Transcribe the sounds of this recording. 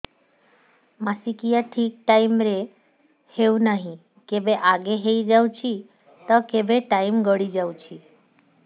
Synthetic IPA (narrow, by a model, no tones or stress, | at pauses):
masikijaʈʰik̚ʈaimɾe | heũnaɦĩ | kebeʔaɡeɦeid͡ʒaw̃t͡ʃʰi | t̪ɔkebeʈaimɡəɽid͡ʒawt͡ʃʰi